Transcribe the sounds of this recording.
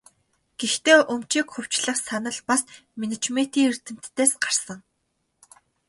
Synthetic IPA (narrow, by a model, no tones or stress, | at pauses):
ɡ̥ext̪eːʔɵmt͡ɕiːkxɵw̥t͡ɕɮə̆χsanə̆ɮpasmenet͡ɕmet̪iːŋir̥t̪ɘ̆m̥t̪ːeːsɢarsə̆ŋ